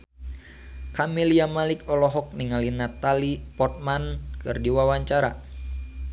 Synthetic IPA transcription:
kamiliamalikɔlɔɦɔk̚niŋalinat̪alipɔt̪̚mankɨrdiwawaɲt͡ʃaɾa̰

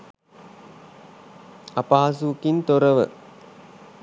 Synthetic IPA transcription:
ɐpaːs̬ukint̪oɾɐʋə̰

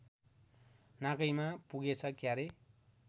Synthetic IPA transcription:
nãkʌjmapuɡet͡sʰʌkjaɾe

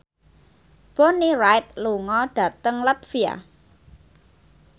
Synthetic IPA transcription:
b̥onirajt̪̚luŋɔɖ̥a̤t̪əŋlat̪fia̰

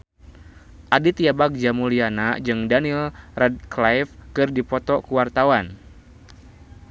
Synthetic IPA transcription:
ʔadit̪iabak̚d͡ʒamulianad͡ʒɨŋdanilrɛd̪̚klajfkɨrdipɔt̪ɔkuwart̪awan

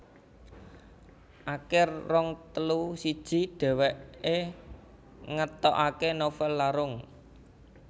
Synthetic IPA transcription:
ʔakɪrːɔŋt̪əlusid̥ʒ̥i̤ɖ̥ɛ̤wɛʔe | ŋət̪ɔʔakenofɛlːaɾʊŋ

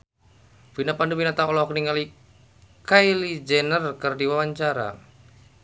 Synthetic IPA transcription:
vinapandubinat̪aɔlɔkniŋali | kajlid͡ʒɛnərkɨrdiwawaɲt͡ʃaɾa̰

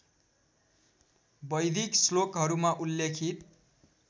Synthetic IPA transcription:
bʌjd̪ʱikslokɦʌɾumaʔulːekʰit̪

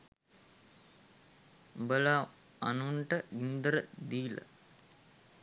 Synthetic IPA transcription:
bəla | anuɳʈəind̪əɾəd̪iːlə̰

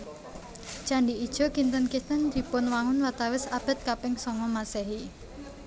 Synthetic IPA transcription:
ʒ̥aɳɖiid̥ʒ̥o̤kint̪ənkit̪ənd̪̥i̤pʊnwaŋʊnwat̪awɪsab̥ə̤t̪̚kapɪŋsɔŋɔmasɛɦi

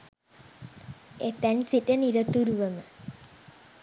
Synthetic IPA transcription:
et̪ɛnsiʈeniɾət̪uɾuʋəmə

